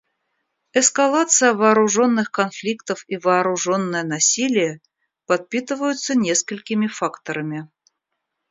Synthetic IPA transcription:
ɛskalˠat̪sɨjəvɐːɾʊʐo̞nːɨxkɐnflʲikt̪əfivɐːɾʊʐo̞nːəjənɐsʲilʲɪjə | pɐt̪̚pʲit̪ɨvəjʊt̪sənʲe̞skəlʲkʲɪmʲɪfakt̪əɾəmʲɪ

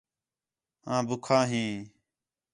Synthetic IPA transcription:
ɦãːbʊkʰãːɦĩː

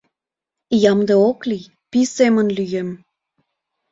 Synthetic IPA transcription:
jɑmd̪eokli | pisemənlyjem

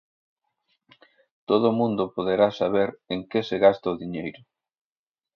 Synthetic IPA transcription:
t̪oðʊmũnd̪ʊpoð̞eɾasaβ̞eɾeŋkeseɣast̪ɐoðiɲejɾʊ

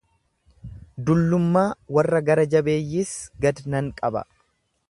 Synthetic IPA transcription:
d̪ʊlːʊmːaːwɐrːɐɡɐɾɐd͡ʒɐbe̞ːjːiːsɡɐd̪nɐŋkʼɐbɐ̰

